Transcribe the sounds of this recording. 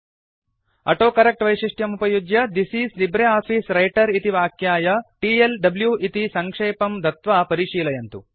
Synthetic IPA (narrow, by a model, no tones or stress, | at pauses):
ɐ̰ʈoːkɐɾɐk̚ʈʋɐjʃiʂʈjɐmupɐjud͡ʒjɐd̪isiːslibɾeaːpiːsɾɐjʈɐɾit̪iʋaːkjaːjɐʈiːelɖɐbljuːʔit̪isɐŋkʂeːpɐmd̪ʱɐt̪ʋaːpɐɾiʂiːlɐjɐnt̪u